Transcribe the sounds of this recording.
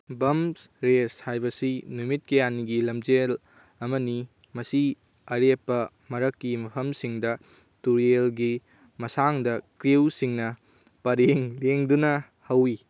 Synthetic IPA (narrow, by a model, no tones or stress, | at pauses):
bɐms | ɾeshajbɐsinumit̚kejaniɡilɐmd͡ʒel | ɐmɐni | mɐsi | ɐɾepːɐ | mɐɾɐkːimɐpʰɐmsiŋdɐ | tuɾelɡi | mɐsaŋdɐkɾiwsiŋnɐ | pɐɾeŋleŋdunɐ | hɐwi